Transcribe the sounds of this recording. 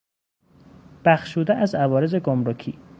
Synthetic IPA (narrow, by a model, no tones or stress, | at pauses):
b̥æxʃuːd̪æʔæzævɒːɾe̞ze̞ɡomɾocʰḭː